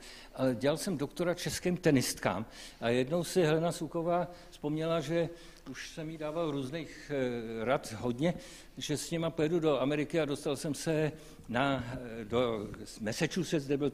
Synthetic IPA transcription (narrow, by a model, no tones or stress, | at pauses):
ʔaɟɛalsɛmdokt̪o̞ɾat͡ʃɛskiːmt̪ɛnɪst̪ka̰ːmʔajɛdno̞wsɪɦɛlɛnasuko̞vaː | spo̞mɲɛlaʒɛ | uʃsɛmjɪdaːvalɾuːzniːxɾat̪ɦo̞dɲɛ | ʒɛsɲɛmapojɛdudo̞amɛɾɪkɪado̞st̪alsɛmsɛ | nadomɛsɛt͡ʃuːsɛzdɛbɪl